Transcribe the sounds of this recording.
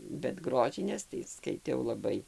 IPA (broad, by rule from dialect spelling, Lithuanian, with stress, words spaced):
bʲɛt ˈɡroːʒʲɪnʲeːs tɐɪ skɐɪˈtʲɛʊ lˠɐˈbɐɪ